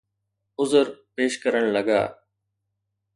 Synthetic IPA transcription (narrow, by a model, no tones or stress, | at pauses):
ʊzəɾpeːʃkəɾəɽ̃ləɡa̰ː